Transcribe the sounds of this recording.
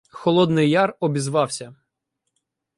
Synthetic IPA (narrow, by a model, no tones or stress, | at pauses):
xɔlˠɔd̪nɪjːɑrɔbʲizʋɑwsʲɐ